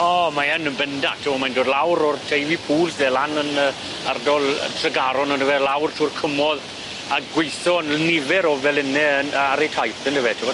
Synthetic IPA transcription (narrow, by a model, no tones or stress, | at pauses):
ɔːmaənənbəndatʰɪwɔmajndoːdlawɾɔrtʰejvipʰuːlˠsdɛlanənə | ardɔl̰ˠtʰrəɡaɾɔnəndəvɛlawrtʰuːrkʰəmɔð | aɡwɪjθɔnlnɪvɛɾɔvɛlɪnɛənəaɾejtʰajθəndəvɛtʰɪwa